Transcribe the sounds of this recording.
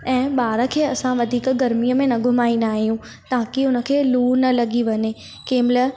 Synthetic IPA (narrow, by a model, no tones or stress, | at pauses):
ɛ̃ːɓaːɾə̆kʰeːɐsãʋɐd̪ʱiːkɡɐɾmijəmẽnɐɡʱʊmaːĩnd̪aːɦijũ | t̪aːkiʊnə̆kʰeːluːnɐlɐɠiʋɐɲe | keːmɪlə